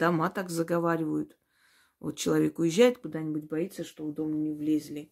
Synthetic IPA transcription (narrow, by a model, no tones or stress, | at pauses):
d̪̥ɐmat̪akzəɡɐvaɾʲɪvəjʊt̪ | vo̰t̪̚t͡ɕɪlˠɐvʲe̞kʊjɪʑːæjɪt̪kʊd̪anʲɪbʊtʲbɐit̪səʂt̪o̞vd̪o̞mnʲɪvlʲezʲlʲɪ